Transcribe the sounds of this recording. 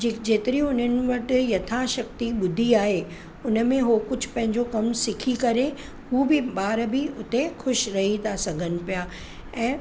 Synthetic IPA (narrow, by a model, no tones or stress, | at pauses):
d͡ʑɪd͡ʑeːt̪ɪɾiʊn̤ənɪ̆ʋɐʈɪ̆jɐt̪ʰãʃɐk̚t̪iɓʊd̪ʱiaːɦe | ʊnə̆mẽɦokʊd͡ʑ̆ʱpɐ̃ɦɪ̃ɲd͡ʑokɐmsɪkʰikɐɾe | huːbɪɓaːɾbɪʊt̪exʊʃɾɐɦit̪ʰasɐɡʱənɪ̆pijaː | ɛ̃ː